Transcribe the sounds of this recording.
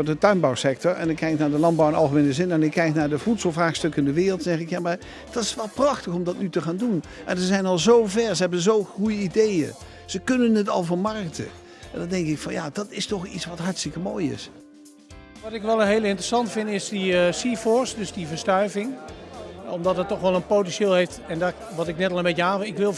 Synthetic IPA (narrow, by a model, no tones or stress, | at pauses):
oɹdətœɥnbɑwsɛk̚tɔɹɛ̰nɪkːɛjknaːɹdəlɑnbɑwɪnɑ̰lˠχəmenəzɪnɛnɪkːɛjknaːɹdəvutslˠvraːχstɵkɪndəʋɪːrlˠtzɛχɪkjaːmaɹ | d̥ɑtɪsʋɛlˠprɑχtəχɔmdɑtnytəχaːndunʔɛnzəzɛjnɑlˠzowvɛɹzəɦɛbənzowχujəidejə̰ | z̥əkɵnənətɑ̰lˠvʊnmɑrktə̰ | ʔɛ̰ndɑndɛŋkɪkfɑnja̰ːdɑtɪstɔχitsʋɑtɦɑɹtstɪkəmoːjɪ̰s | ʋɑtɪkʋɛlˠənɦeːlɪntrəsɑntfɪndɪsdisifɔsdɵsdivəɹstœɥvɪŋ | ɔmdɑtətːɔxʋɛlˠənpowtɛnʃeːlˠɦejftɛnda | ʋɑtɪknɛtɑlˠəmbecəɦaːvəɪkʋɪlˠ